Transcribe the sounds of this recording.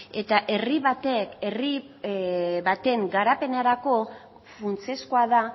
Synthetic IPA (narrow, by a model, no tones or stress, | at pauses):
e̞t̪aʔe̞riβat̪e̞keri | βat̪e̞ŋɡaɾape̞naɾako̞ | funt͡sieskoaða